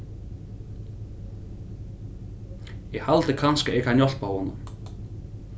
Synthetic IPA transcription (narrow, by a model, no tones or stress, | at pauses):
jɛhalt̪ɪkʰanskɪekʰanjɔl̥paɔnːʏ̰m